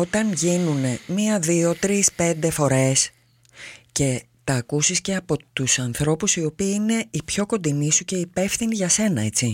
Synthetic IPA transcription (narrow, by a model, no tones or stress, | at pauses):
o̞t̪ɐnʝinune̞miɐðio̞t̪ɾispe̞nd̪e̞fo̞ɾe̞s | ce̞ | t̪ɐːkusisce̞ɐpo̞t̪usɐnθɾo̞pusio̞piine̞ipço̞ko̞nd̪inisuce̞ipe̞fθiniʝɐse̞nɐe̞t͡si